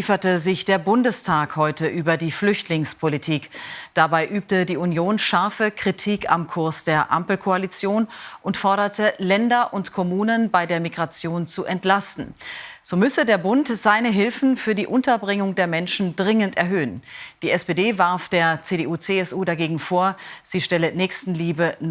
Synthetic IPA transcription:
fɐtəzɪçd̥eːɐbʊndəstʰaːkhɔʏtəʔyːbɐdiːflʏçtʰlɪŋspʰolitʰiːkd̥abaɪʔyːp̚tədiːunjoːnʃaɐfəkʁ̥itʰiːka̰mkʰʊɐsd̥eːɐʔa̰mpl̩kʰoalit͡sjoːnʔʊntfɔɐɾɐtʰəlɛndɐʔʊntkʰɔmuːnənbaɪdeːɐmiɡʁat͡sjoːnt͡suʔɛntlastn̩z̥oːmʏsədeːɐbʊntz̥aɪnəɦɪlfn̩fyːɐdiːʔʊntɐbʁɪŋʊŋdeːɐmɛnʃn̩dʁɪŋəntɛɐɦøːənd̥iːɛspedeːvaɐfd̥eːɐt͡seːdeʔuːt͡seɛsʔuːdaɡeːɡŋ̩foːɐz̥iːʃtɛlənɛːçstn̩liːbən

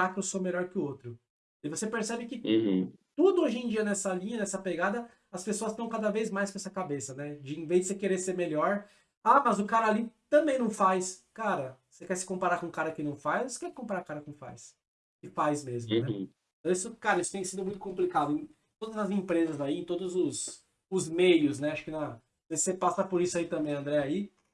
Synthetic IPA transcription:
akɪewsomeʎɔɾkɪʊot̪ɾʊ | ɪvosepeɾsɛbɪkɪ̃ht̪ud̪ʊoʒẽd͡ʒiɐnɛsɐlĩɲɐnɛsɐpeɡad̪ɐ | ɐspesoɐst̪ɐ̃w̃kad̪ɐvejzmajskõɛsɐkabesɐnɛd͡ʒɪĩvezd͡ʒɪsekeɾeɾseɾmeʎɔɾ | amɐzʊkaɾɐalit̪ɐ̃mbẽj̃nɐ̃w̃fajskaɾɐosekɛɾsɪ̥kõpaɾaɾkõkaɾɐkɪnɐ̃w̃fajzvose̥kɛɾkõmpaɾakaɾɐkõfa̰js | kɪfajzmezmʊnɛ̰̃ | t̪ɐ̃w̃isʊkaɾɐisʊt̪ẽj̃sĩd̪ʊmũj̃t̪ʊ̥kõplikad̪ʊẽ | t̪od̪ɐzɐzẽpɾezɐzaiẽt̪od̪ʊzʊs | ʊzmejʊznɛaʃʊ̥kɪnɐ | vesepasɐpʊɾisʊait̪ɐ̃mbẽj̃ɐ̃nd̪ɾɛɐi

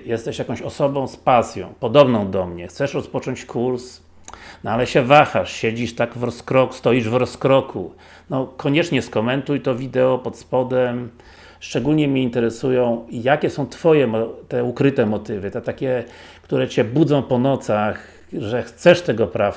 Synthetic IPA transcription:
jɛst̪ɛʂjakɔ̃ɕɔsɔbɔ̃w̃spasʲjɔ̰̃w̃pɔd̪ɔbnɔ̃w̃d̪ɔmɲɛxt̪sɛʂɾɔspɔt͡ʂɔ̃ɲt͡ɕkʰuɾs | nɔalɛɕɛvaxaʂɕɛd͡ʑiʂt̪aɡvɾɔskɾɔku̥st̪ɔiʐvɾɔskɾɔkʰu | nɔkɔɲɛt͡ʂɲɛskɔmɛnt̪ujt̪ɔvʲid̪ɛɔpɔt̪spɔd̪ɛm | ʂt͡ʂɛɡulɲɛmɲɛint̪ɛɾɛsujɔ̃w̃jakʲɛsɔ̃w̃t̪fɔjɛmɔt̪ɛukɾɘt̪ɛmɔt̪ɘvɘt̪ɛt̪akʲɛ | kt̪uɾɛt͡ɕɛbud̪zɔ̃w̃pɔnɔt̪sax | ʐɛxt̪sɛʂt̪ɛɡɔpɾaf

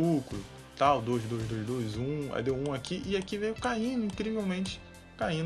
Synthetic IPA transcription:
uklʊ | t̪awd̪ojzd̪ojzd̪ojzd̪ojzũa̰d̪ewũakiʔɪakivejʊkaĩnd̪ʊĩkɾivewmẽnt͡ʃɪ̥ | kaĩ

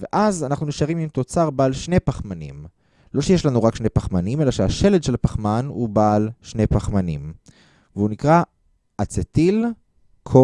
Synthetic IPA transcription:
veʔazanaχnuniʃaʁimimt̪o̞t͡saʁbaːlʃne̞jpaχmanḭm | lo̞ʃejeʃlanuʁakʃnejpaχmanime̞laʃeaʃe̞led̪ʃe̞lapaχmanubalʃne̞jpaχmanim | veunikʁa | at͡set̪il | kʰo

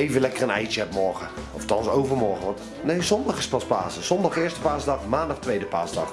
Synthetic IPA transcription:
ejvənlɛkərənɛjtəɛpmɔɹχə | ɔftɑnsowvərmɔɹχəʋɑnt | nejzɔndɑχɪspɑspa̰ːzəz̥ɔndɑχɪːəɹstə̥paːzdɑχmaːndɑχtʋejdəpa̰ːsdɑχ

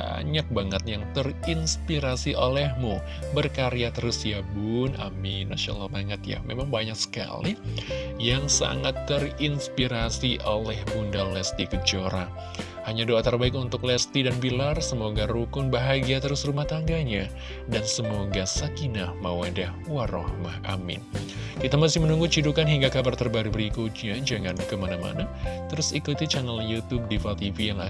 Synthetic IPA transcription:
a̰ɲak̚baŋət̪jaŋt̪ərinspiɾasiʔolɛhmu | bərkaɾiat̪əɾʊsjabʊna̰mina̰sio̰nalmaŋət̪ja̰memaŋbaɲaksə̥ka̰lijaŋsa̰ŋat̪ːərinspiɾasiʔolɛhbundalɛst̪ikəd͡ʒoɾa̰ | haɲadoat̪ərbaɪk̬unt̪ʊk̚lɛst̪idanbilarsəmoɡaɾukʊnbaɦaɡiat̪əɾʊsrumaht̪aŋɡaɲa | dansəmoɡasakinahmawadahwaɾɔ̰hmaha̰mɪ̰n | kit̪amasɪhmənuŋɡut͡ʃidukanɦiŋɡakabart̪ərbaɾubəɾikʊt̪̚ɲad͡ʒaŋankəmanama̰nat̪əɾʊsikut̪it͡ʃanaljut̪ub̚difalt̪ivijaŋa̰

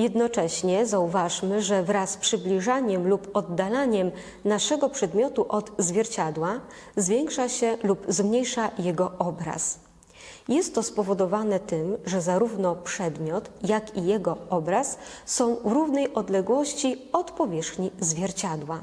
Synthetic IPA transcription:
jɛd̪nɔt͡ʂɛɕɲɛzauvaʂmɘʐɛvɾaspʂɘblʲiʐaɲɛmlupɔd̪ːalaɲɛm | naʂɛɡɔpʂɛd̪mʲjɔt̪uʔɔd̪zvʲjɛɾt͡ɕad̪wazvʲjɛŋkʂaɕɛlupzmɲejʂajɛɡɔʔɔbɾa̰s | jɛst̪ːɔspɔvɔd̪ɔvanɛt̪ɘmʐɛzaɾuvnɔpʂɛd̪mʲjɔt̪jakijɛɡɔɔbɾasːɔ̃w̃vɾuvnɛjʔɔd̪lɛɡwɔɕt͡ɕiɔt̪pɔvʲjɛʂxɲizvʲjɛɾt͡ɕad̪wa

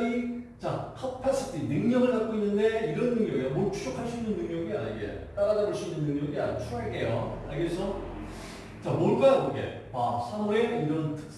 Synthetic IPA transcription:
ɾi | t͡ɕakʰʌpʰes͈ʰɯtʰinɯŋɲʌɡɯɭnat̚k͈oinːɯnde̞iɾʌnːɯŋɲʌɡiamoɭt͡ɕʰu̥ɕʰokʰaɭɕʰiinɯnːɯŋɲʌɡia̰ɲiɡe̞̰t͈aɾadaɾɯɕʰiinɯnnɯŋɲʌɡia̰ɲt͡ɕʰuaɭkejo̰akesʰʌ | t͡ɕamoɭk͈aoɡe̞̰ | pasʰamuɾeiɾʌntʰɯ̥k̚s͈

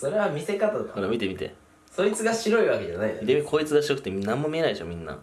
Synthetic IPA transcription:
so̞ɾe̞βamʲise̞kat̪akoɾemʲit̪e̞mʲit̪e̞̰ | soit͡sɨɡaɕiɾo̞iβake̞d͡ʑanaimit̪emʲikʰo̞ːit͡sɨɡaɕiokɯ̟t̪ːemʲinãmːo̞mʲie̞naieɕo̰mʲĩnːa̰

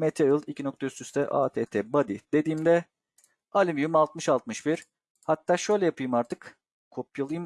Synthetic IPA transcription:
met̪ʰeɯlˠicʰino̞k̚t̪ʰaysyst̪ʰɛʔa̰ːt̪ʰeːt̪ʰɛːbad̪id̪̥e̞d̪iːmd̪ɛ | alʲimjymalˠt̪̚mɯʃalˠt̪mɯʃbiɾ̥ | hat̪ːaːʃø̞jlʲɛjapʰɯjɯmaɾt̪ʰɯk | kʰo̞pʰjalˠɯjɯm

